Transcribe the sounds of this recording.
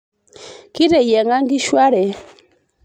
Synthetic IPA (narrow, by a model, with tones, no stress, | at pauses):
ki˦ɾɛ˨jɛ˨ŋa˦ŋɡi˦ʃwa˦ɾɛ˨